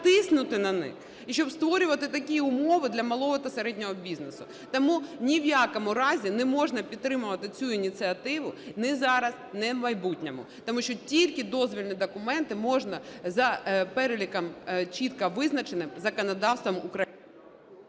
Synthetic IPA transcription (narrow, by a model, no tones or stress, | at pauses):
t̪ɪsnʊt̪ɪnɐnɪ̰x | iʃt͡ʃɔbst̪ʋɔɾʲʊʋɐt̪ɪt̪ɐkʲiʊmɔʋɪd̪lʲɐmɐlˠɔɦɔt̪ɐseɾɛdʲnʲɔɦɔbʲiznesʊ | t̪ɐmunʲiʋjɑkɔmʊɾɑzʲinɛmɔʒnɐpʲid̪̚t̪ːɾɪmʊʋɐt̪ɪt͡sʲuinʲit̪t͡s̪ɨɐt̪ɪʋʊnɛzɑɾɐznɛmɐjbutʲnʲɛmʊ̰t̪ɔmuʃt͡ʃɔtʲilʲkɪd̪ɔzʋʲilʲnid̪ɔkʊmɛnt̪ɪmɔʒnɐzɐpɛɾelʲikɐmt͡ʃʲit̪kɐʋɪznɐt͡ʃenɪmzɐkɔnɐd̪ɑwst̪ʋɐmʊkɾɐjin